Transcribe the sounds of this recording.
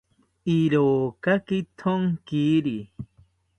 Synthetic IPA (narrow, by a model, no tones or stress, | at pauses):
iɾoːkakit̪ʰoŋkiɾi